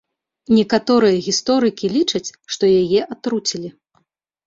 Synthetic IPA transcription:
nʲɛkat̪ɔɾɨjɐɣʲist̪ɔɾɨkʲilʲit͡ʂɐt͡sʲʂt̪ɔjajɛʔat̪ɾut͡sʲilʲi

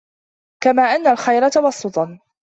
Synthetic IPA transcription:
kamaːʔanːalxajɾat̪ɑwɑsˤːʊt̪ˤɑ

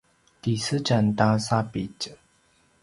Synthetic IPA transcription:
t̪isɨt͡ɕant̪asapit͡ɕə

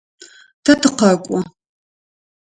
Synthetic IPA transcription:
tʰɐtʰɨqɐkʷʼɔ

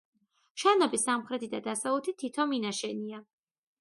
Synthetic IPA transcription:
ʃanɔbisamχɾɛt̪ʰid̪ad̪asaut̪ʰit̪ʰit̪ʰɔminaʃɛnia

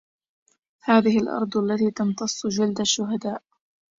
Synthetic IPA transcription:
haːðɪhɪlʔɑ̰ɾˤd̪ˤalːat̪iːt̪ɑnt̪ɑsˤːʊd͡ʒɪld̪aʃːʊɦad̪aːʔ

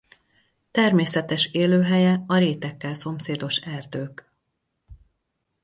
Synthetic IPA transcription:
t̪ɛrmeːsɛt̪ɛʃeːløːɦɛjɛɒɾeːt̪ɛkːɛlso̞mseːd̪o̞ʃɛrd̪øːk

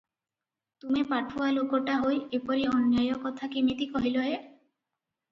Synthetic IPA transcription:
t̪umepaʈʰualokɔʈaɦojepɔɾiɔnjajɔkɔt̪ʰakimit̪ikɔɦilɔɦe

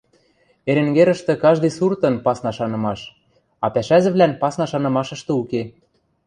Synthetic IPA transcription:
eɾĕŋɡeɾə̆ʃt̪ĕkɑʒd̪ɤ̆jsurt̪ɤ̆npɑsnɑʃɑnɤ̆mɑʃ | ɑpæʃæʒɘ̆βlænpɑsnɑʃɑnɤ̆mɑʃɤ̆ʃt̪ɤ̆uke

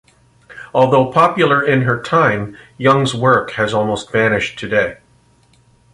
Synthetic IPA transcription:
ɔlˠðoʊpʰɑpjl̩ˠə˞ɪ̃nə˞tʰãɪ̃mjʌ̃ŋzwɜ˞khɨzɔlˠmoʊstv̥ænɨʃtʰɨdeɪ

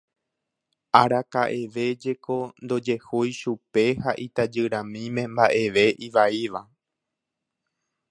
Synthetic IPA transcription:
aɾakaʔe̞ʋe̞d͡ʒe̞ko̞nd̪o̞d͡ʒe̞hojʃupe̞haʔit̪ad͡ʒɨɾãmĩmẽ̞mbaʔe̞ʋe̞ʔiʋaiʋa

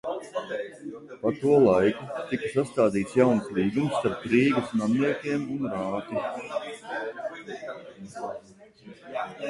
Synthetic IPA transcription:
pat̪uɔlˠajkut̪ikasast̪aːd̪iːt̪sjawnslˠiːɡumst̪aɾpɾiːɡɐsnamniɛkʲiɛmunɾaːt̪i

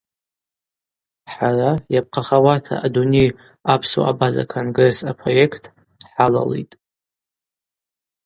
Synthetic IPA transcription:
ħarajap̚qʰaχawatʰa̰ːdune̞j | apʰso̰a̰baza̰kʰonɡresapʰro̞je̞kʰtʰʼ | ħala̰lḛjtʼ

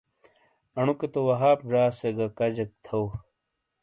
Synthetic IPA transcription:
ɐɳuket̪owɐɦaːpʐaːseɡɐkɐd͡ʑɐk̚t̪ʰɐw

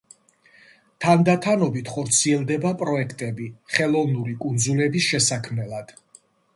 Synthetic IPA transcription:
t̪ʰand̪at̪ʰanɔbit̪ʰχɔɾt̪sʰiɛlˠd̪ɛbapʼɾɔɛkʰt̪ʼɛbiχɛlˠɔvnuɾikʼund̪zulɛbisʃɛsakʰmnɛlˠad̪̥

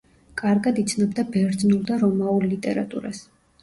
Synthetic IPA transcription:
kʼaɾɡad̪it̪sʰnɔbd̪abɛɾd̪znulˠd̪aɾɔmaullit̪ʼɛ̰ɾa̰t̪ʼṵɾa̰s

